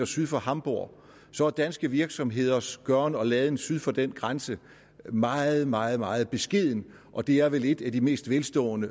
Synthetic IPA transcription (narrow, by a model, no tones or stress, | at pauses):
ɐsyðˠfɒ̽hɑ̈mb̥o̝ɐ̰ | sɒ̽æd̥ænsɡ̥əʋiɐɡ̥sɒ̽mɦe̝ð̞̰ˠɐsɡ̥ɶɐnəɒ̽lɛːð̞̩ˠensyð̞ˠfɒ̽d̥enɡ̥ʁansə | mɑ̈ːð̩ˠmɑ̈ːð̞̩ˠmɑ̈ːð̞̩ˠb̥e̝sɡ̥e̝ð̞̰ˠn̩ | ʔɒ̽d̥e̝æɐʋele̝d̥æd̥ime̝̰ːsd̥ʋelsd̥ɔ̰̽ːnə